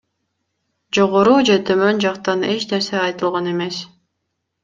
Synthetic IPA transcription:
d͡ʒo̞ʁoɾuːd͡ʒe̞t̪ʰømø̞nd͡ʒɑqt̪ɑne̞t͡ʃne̞ɾse̞ɑjt̪ɯlˠʁɑne̞me̞s

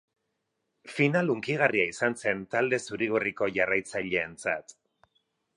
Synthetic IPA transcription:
finaluŋkiɣ̞ariaisanse̞nt̪ald̪e̞suɾiɣuriko̞ʝarajt͡saʎe̞ːnt͡sa̰t̪

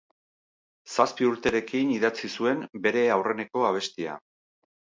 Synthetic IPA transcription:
saspiuɾt̪e̞ɾe̞kiniðat͡sisue̞mbe̞ɾe̞awre̞ne̞ko̞aβ̞e̞st̪ia̰

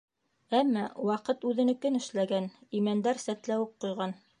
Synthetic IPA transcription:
æmːɑwɑqɤt̪ʉðɘ̆nɘkɘnɘ̆ʃlæɡænimænd̪æɾsæt̪læwɘp̚qŏjʁɑn

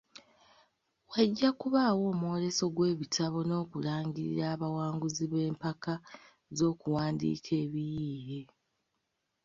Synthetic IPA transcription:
waɟːakuβaːwo̞ːmuwo̞ɾe̞so̞ɡwe̞ːβitʰaβo̞no̞ːkulaːŋɟiɾḭɾaːβawaːŋɡuziβe̞ːmpaka | zo̞ːkuwaːndḭːkʰe̞ːβijiːhe

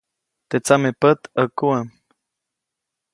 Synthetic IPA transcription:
t̪et͡samepət̪əkuəm

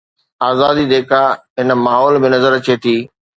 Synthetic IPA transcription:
aːzaːd̪id̪eːkaɦɪn̆maːɦɔːlbɪnɐzəɾt͡ɕʰeːt̪ʰiː

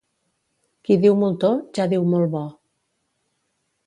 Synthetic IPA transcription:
kiðiwmulˠt̪oʒaðiwmolˠβɔ

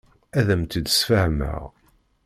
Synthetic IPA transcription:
æðəmt̪əd̪sfəhmə̰ʁ

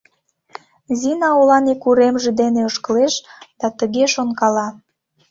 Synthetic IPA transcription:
zinɑolɑnekuɾemʒĕd̪eneoʃkəleʃd̪̥ɑt̪əɣeʃonkɑlɑ

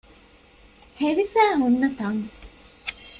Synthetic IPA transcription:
heʋifæːɦunːɐt̪ɐŋ

